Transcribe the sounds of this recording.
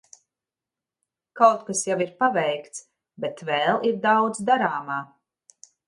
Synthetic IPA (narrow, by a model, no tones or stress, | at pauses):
kawt̪kasjaviɾpavɛjkt̪s | bɛt̪vɛːlˠiɾd̪awd̪zd̪aɾaːmaː